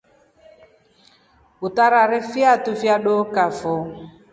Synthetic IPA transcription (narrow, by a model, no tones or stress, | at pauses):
utaɾaɾɛfjatufjaɗokafɔ